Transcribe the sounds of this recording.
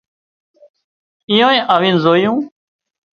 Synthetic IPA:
ijõːẽːʔaːʋiːnzoːijũː

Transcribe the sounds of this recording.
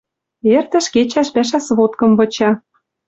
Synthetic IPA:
ert̪ə̆ʃket͡ɕæʃpæʃ̬æsβot̪kɤ̆mβɤ̆t͡ɕɑ

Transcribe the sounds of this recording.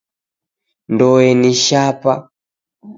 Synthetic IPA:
ndɔɛniʃapa̰

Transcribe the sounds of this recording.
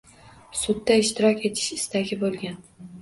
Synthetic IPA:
sʊd̪ːaɪʃt̪ɪɾɒkʲe̞t̪ʰɪ̥ʃɪ̥st̪aɡʲɪbolˠɡʲan

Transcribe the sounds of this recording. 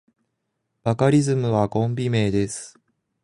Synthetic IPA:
b̥akaɾʲizɨmɯ̟βaɡõ̞mbʲime̞ːd̪e̞sɨ̥

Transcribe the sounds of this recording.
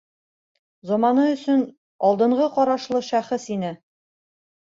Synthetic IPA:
zɒmɑnɤɵ̆sɵn | ɒlˠd̪ɤ̆ɴʁɤqɒɾɑʃlˠɤʃæχɘsinɘ

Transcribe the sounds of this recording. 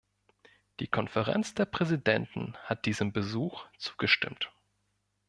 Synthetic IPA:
d̥iːkʰɔnfəʁɛ̰nt͡sd̥eːɐpʁ̥ɛzidɛntn̩hat̚d̥iːzəmbəzuːxt͡su̥ːɡ̥əʃtɪ̰mt

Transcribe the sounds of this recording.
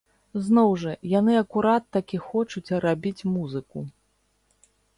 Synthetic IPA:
znɔwʐɐjanɨɐkuɾat̪ːakʲixɔt͡ʂut͡sʲrabʲit͡sʲmuzɨku

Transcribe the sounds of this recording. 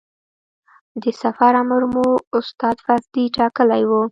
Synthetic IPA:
d̪əsafaɾaməɾmoʊst̪ɑd̪fazd̪iʈɑkəlajwu

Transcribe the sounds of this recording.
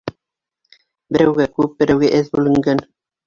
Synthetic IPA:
bɘ̆ɾæwɡækʉp̚bɘ̆ɾæwɡæʔɘðbʉlɘ̆ŋɡæn

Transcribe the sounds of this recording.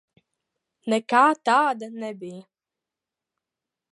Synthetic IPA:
nɛkaːt̪aːd̪anɛbʲij

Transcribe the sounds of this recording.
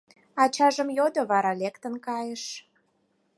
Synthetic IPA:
ɑt͡ɕɑʒə̆mjod̪oβɑɾɑlekt̪ənkɑjəʃ

